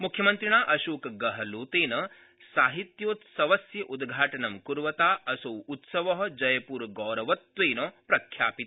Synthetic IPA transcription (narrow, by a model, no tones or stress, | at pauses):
mukʰjɐmɐnt̪ɾiɳaːʔɐʃuːkɡɐɦɐluːt̪eːnɐ | saːɦit̪joːt̪sɐʋɐsjɐʔud̪ɡʱaːʈɐnɐmkuɾʋɐt̪aːɐsɐwut̪sɐʋɐɦɐ̆d͡ʒɐjɐpuːɾɡɔːɾɐʋɐt̪ʋeːnopɾɐkʰjaːpit̪